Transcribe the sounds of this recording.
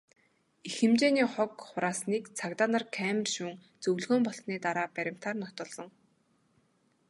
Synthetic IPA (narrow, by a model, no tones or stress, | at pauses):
ixɘ̆mt͡ɕeːniːχɔkχʊɾaːsniːkt͡sʰakt̪aːnărkʰæmrʃuːŋ | t͡sɵwɮɣoːmpɔɬt̪niːt̪aɾaːpæɾʲɪ̆m̥t̪aːrnɔt̪ɞ̆ɮːɞ̆ŋ